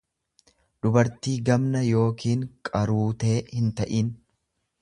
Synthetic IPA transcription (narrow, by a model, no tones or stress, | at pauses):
ᶑ̪ʊbɐɾt̪iːɡɐmnɐjo̞ːkiːŋkʼɐɾuːt̪e̞ːhɪnt̪ɐʔiːn